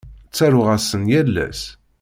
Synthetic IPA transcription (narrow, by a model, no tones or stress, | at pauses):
t͡sːæɾʊʁæsənjælːæ̰s